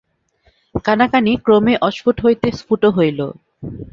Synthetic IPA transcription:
kanakanikɾomeʔɔʃfuʈɦojt̪esfuʈoɦojlo̰

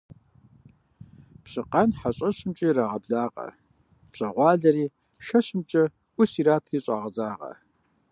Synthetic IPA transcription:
pɕʼɨqanħaɕʼɐɕɪmt͡ʃʼiːraːʁɐbɮaːqʼɐ̰ | pɕʼɐʁʷɑːɮɐɾiː | ʃɐɕɪmt͡ʃʼɐ | ʔʷʊsiːɾaːtʰiːɕʼaːʁɐzaːʁɐ̰

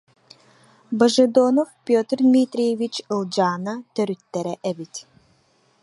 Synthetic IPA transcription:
bɐʒed̪oːnɔfpʲot̪ʲɾd̪mʲit̪ɾʲijevʲit͡ɕɯlˠd͡ʑaːnat̪œɾyt̪ːɛɾɛʔɛbit̪

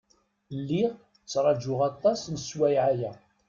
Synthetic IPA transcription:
lːiʁ | t͡sːɾˤɑd͡ʒʊʁɑt̪ˤːɑsnəswæjʕajæ

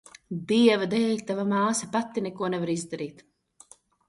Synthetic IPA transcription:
d̪iɛvad̪ɛlʲt̪avamaːsɐpat̪ːinɛkuɔnɛvaɾizd̪aɾiːt̪

